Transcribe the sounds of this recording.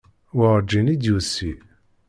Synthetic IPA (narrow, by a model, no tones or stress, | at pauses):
wəʁd͡ʒinid̪jusi